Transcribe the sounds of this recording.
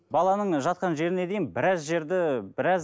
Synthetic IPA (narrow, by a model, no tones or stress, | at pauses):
bɑlˠɑnəɴʒɑt̪̚qɑnʒe̞ɾɪne̞d̪e̞jɪnbɪɾɑzʒe̞ɾd̪ɪbɪɾɑz